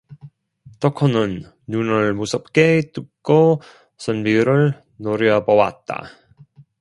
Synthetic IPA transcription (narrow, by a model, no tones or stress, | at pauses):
tʌkʰʌnɯnː | unɯɭmusʰʌp̚k͈et͈ɯk̚k͈o | sʰʌnmiɾɯɭ | noɾjʌbʌwa̰t̚t͈a̰